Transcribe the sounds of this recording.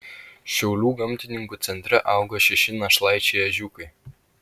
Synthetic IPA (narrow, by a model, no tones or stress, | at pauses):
ʃʲɛʊlʲuːɡɐmʲt̪ʲɪnʲɪŋkuːt̪sʲɛnʲt̪ʲɾʲɛʔɑˑʊɡɐʃʲɛʃʲɪnɐʃlˠɑɪt͡ʃʲeːɐʒʲukɐɪ